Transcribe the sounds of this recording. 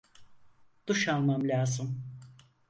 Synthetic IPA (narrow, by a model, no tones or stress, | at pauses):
d̪̥uʃanmamlʲaːzɯm